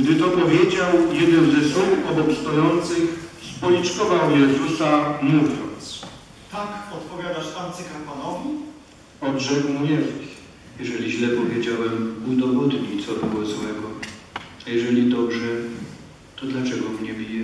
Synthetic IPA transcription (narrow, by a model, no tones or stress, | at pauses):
ɡd̪ɘt̪ɔpɔvʲjed͡ʑawjɛd̪ɛnzɛsuwɔbɔkst̪ɔjɔnt̪sɘxspɔlʲit͡ʂkɔvawjɛzusamuvʲjɔ̰nt̪s | t̪akɔt̪pɔvʲjad̪aʂant̪sɘkapwanɔvʲi | ɔd̪ʐɛkmuɲɛvi | jɛʐɛlʲiʑlɛpɔvʲjed͡ʑawɛmud̪ɔvɔd̪ɲit̪sɔbɪwɔzwɛɡɔ | jɛʐɛlʲid̪ɔbʐɛ | t̪ɔd̪lat͡ʂɛɡɔmɲɛbʲijɛ